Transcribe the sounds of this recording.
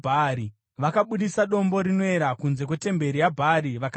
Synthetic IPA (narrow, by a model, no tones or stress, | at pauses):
bʱaɾi | ʋakaɓuɗisaɗo̞mbo̞ɾinoe̞ɾakunze̞k̬we̞te̞mbe̞ɾijabʱaɾiʋak